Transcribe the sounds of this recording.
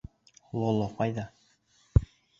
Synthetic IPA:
lˠolˠoqɑjðɑ

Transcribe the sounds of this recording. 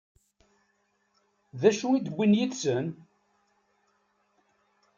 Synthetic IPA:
ðæʃuid̪əbʷːinjid̪sən

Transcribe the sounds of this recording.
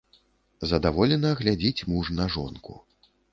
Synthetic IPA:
zɐd̪avɔlʲɛnɐɣlʲad͡zʲit͡sʲmuʐnɐʐɔ̰nkṵ

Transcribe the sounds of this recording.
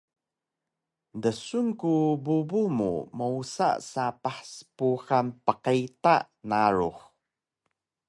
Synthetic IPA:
dəsunkububumṵməusa̰sapaħsə̥puxanpəqaita̰ʔ | naɾuχ

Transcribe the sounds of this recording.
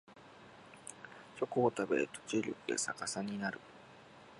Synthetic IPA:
ɕo̞koːt̪abe̞̰t̪o̥t͡ɕiɾʲokɯ̟ḛsakasaɲ̟inaɾɯ̟

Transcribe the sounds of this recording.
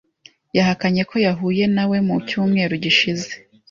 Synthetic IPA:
jahakaɲe̞kʰo̞jaɦuːje̞nawe̞mucuːmŋe̞ːɾuɟiʃize̞̥

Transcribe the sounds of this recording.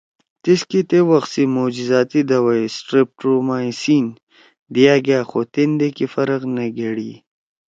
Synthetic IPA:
t̪iskit̪ewɐxsimod͡ʒizɑːt̪id̪ɐwajsʈɾip̚ʈomaːsiːn | d̪jaːɡaːxot̪end̪ekifɐɾəqnɐɡeɽi

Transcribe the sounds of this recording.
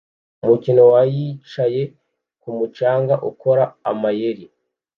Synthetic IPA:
umucino̞wajit͡ʃaje̞ | kumut͡ʃaːŋɡaʔuko̞ɾa̰ːmaje̞ɾi

